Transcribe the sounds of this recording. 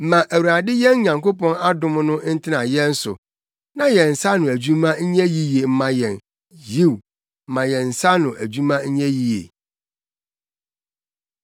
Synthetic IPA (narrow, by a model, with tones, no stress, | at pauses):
m̩˦mã˨ʔæ˨wu˨ɾa˨dɪ˦jɛ̃˦n˦ɲã˨ŋko˦pɔ̃˦na˦dʊ̃˦m˦nʊ̃˦n̩˦tʰɪ˦nã˨jɛ̃˦n̩˦sʊ̰˨ | nã˦jɛ˨n̩˨sa˦nʊ̃˨æ˨d͡ʑᶣu˦mã˦ɲ̩˦ɲɛ̃˦ji˦je˨m̩˦mã˦jɛ̃˨n | ji˦˨w̩˨ | mã˨jɛ̃˨n̩˨sa˦nʊ̃˨ʔæ˨d͡ʑu˦mã˦ɲ̩˦ɲɛ̃˦ji˨jḛ˨